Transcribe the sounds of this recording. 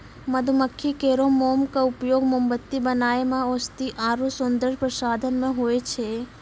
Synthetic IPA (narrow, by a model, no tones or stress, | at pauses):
məd̪ʱuməkʰːikeɾomomkaupjoɡmombət̪ːibənaemãost̪iʔaɾusʊnd̪əɾpɾəsad̪ʱənmãɦojt͡ʃʰe